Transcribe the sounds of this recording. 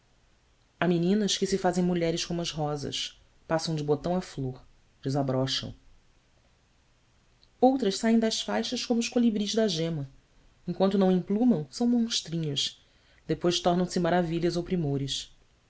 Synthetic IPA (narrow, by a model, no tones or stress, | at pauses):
aminĩnɐskɪsɪfazẽj̃muʎɛɾɪʃkõmũɐzɦɔzɐ̰ʃ | pasɐ̃w̃d͡ʒɪbot̪ɐ̃w̃afloχ | d͡ʒɪzabɾɔʃɐ̰̃w̃ | owt̪ɾɐʃsaẽj̃d̪ɐsfajʃɐskõmʊʊʃkolibɾiʒd̪ɐʒẽmɐ | ẽkwɐ̃nt̪ʊnɐ̃w̃ĩplũmɐ̃w̃sɐ̃w̃mõʃt̪ɾĩɲʊs | d̪epojʃt̪ɔɾnɐ̃w̃sɪmaɾaviʎɐzowpɾimoɾɪʃ